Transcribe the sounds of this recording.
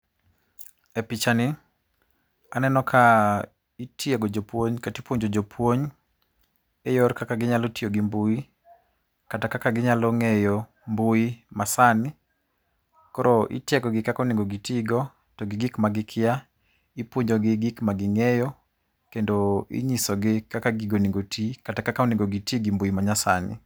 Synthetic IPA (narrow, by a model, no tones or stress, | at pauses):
ɛpit͡ʃanɪ | anɛnɔkʰa | itjeɡod͡ʒopwoɲkatipwoɲd͡ʒod͡ʒopʰwoɲ | ejɔɾkakaɡɪɲalɔtijoɡimbui | katakakaɡɪɲalɔŋɛjo | mbuimasanɪ | kɔɾɔʔɪ̰tjaɡɔɡɪkakɔniŋɡoɡitiɡɔ | tɔɡɪɡɪkmaɡɪkʰɪja | ipwoɲd͡ʒoɡɪɡɪkmaɡɪŋɛjɔ | kendoḭɲisɔɡɪkakaɡɪɡoniŋɡotikatakakanɪŋɡoɡitiɡimbuimaɲasa̰nɪ̰